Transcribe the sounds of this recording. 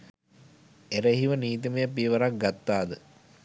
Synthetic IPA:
eɾəɦiʋəniːt̪̬iməjəpiʋəɾak̚ɡat̪ːaːd̪ə

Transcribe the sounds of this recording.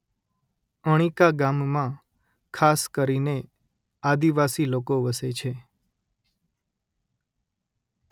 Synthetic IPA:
əɽ̃ikaɡammã | kʰaskəɾine | ad̪iʋasilokoʋəset͡ʃʰe

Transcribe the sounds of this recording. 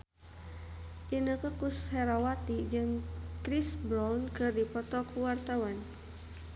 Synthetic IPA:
ʔinəkəkushɛɾawat̪id͡ʒɨŋkɾisbɾankɨrdipɔt̪ɔkuwart̪awan

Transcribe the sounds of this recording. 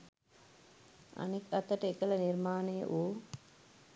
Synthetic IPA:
a̰nikɐt̪əʈəekələniɾmaːnəjə̰ʔuː

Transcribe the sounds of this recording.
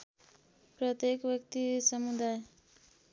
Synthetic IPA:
pɾʌt̪jekʋjʌkt̪isʌmud̪aj

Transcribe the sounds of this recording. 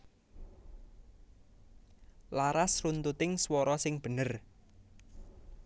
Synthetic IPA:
laɾasrunt̪ut̪ɪŋswɔɾɔsɪŋb̥ə̤nər

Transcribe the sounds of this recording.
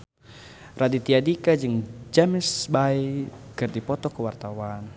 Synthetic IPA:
rʔadit̪iadikad͡ʒɨŋd͡ʒamɪsbaikɨrdipɔt̪ɔkuwart̪awan

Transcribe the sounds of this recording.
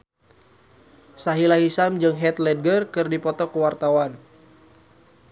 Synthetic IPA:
saɦilaɦisamd͡ʒɨŋɦɛt̪lɛdɡərkɨrdipɔt̪ɔkəwart̪awan

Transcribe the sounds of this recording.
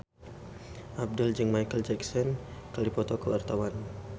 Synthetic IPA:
ʔab̚dəld͡ʒɨŋmajkəld͡ʒɛksɔnkaldipɔt̪ɔkəwa̰rt̪awan

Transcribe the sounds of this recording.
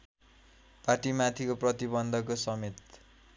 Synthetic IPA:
paʈimat̪ʰikoprʌt̪ibʌnd̪ʱʌkosʌmet̪

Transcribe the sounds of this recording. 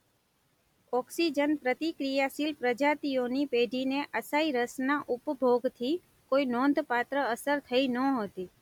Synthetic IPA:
ɔksid͡ʒənpɾət̪ikɾijasilpɾəd͡ʒat̪ijonipeɖʱineʔəsaiɾəsnaʔʊpbʱoɡt̪ʰi | koinõnd̪ʱpat̪ɾəəsəɾt̪ʰəinəɦot̪i

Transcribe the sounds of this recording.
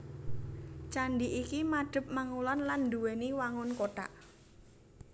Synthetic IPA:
t͡ʃandiʔikimaɖ̥ə̤p̚maŋulɔnland̪uwɛniwaŋʊnkota̰ʔ

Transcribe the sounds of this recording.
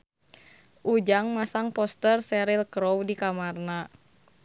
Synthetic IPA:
ʔud͡ʒaŋmasaŋpɔst̪ərsɛɾilkɾɔwdikamarna

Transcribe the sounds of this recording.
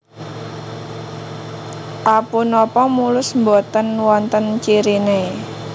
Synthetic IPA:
ʔapunɔpɔmulʊsmbot̪ənwɔnt̪ənt͡ʃiɾine

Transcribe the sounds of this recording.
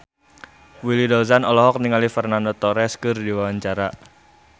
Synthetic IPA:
wilidɔlsanɔlɔɦɔk̚niŋalifərnandɔt̪ɔɾɛskɨrdiwawaɲt͡ʃaɾa

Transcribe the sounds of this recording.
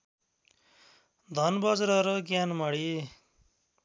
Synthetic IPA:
d̪ʱʌnbʌd͡zɾʌɾʌɡjanmʌɽi

